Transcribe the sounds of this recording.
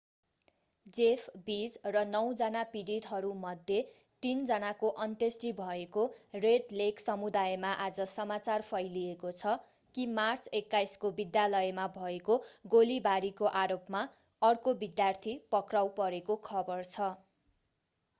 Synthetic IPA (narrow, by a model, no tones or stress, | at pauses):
d͡zepʰbid͡zrʌnʌw̃d͡zʌnapiɽid̪ɦʌɾumʌd̪ʱje | t̪ind͡zʌnakoʔʌnt̪esʈibʱʌekoreɖleksʌmud̪ajemaʔad͡zʌsʌmat͡sarpʰʌjliekot͡sʰʌ | kimart͡sekːajskobid̪jalʌjmabʱʌekoɡolibaɾikoʔaɾopma | ʌrkobid̪jart̪ʰipʌkrawpʌɾekokʰʌbʌrt͡sʰʌ